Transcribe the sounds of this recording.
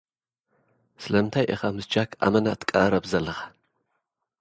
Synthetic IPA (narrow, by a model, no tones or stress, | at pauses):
sɨlɐɨnt̪ʰajʔɛ̰xɐmɨsd͡ʒakʰʔa̰mɐnat̪ʰkʼɐɾɐbzɐlːɐxḁ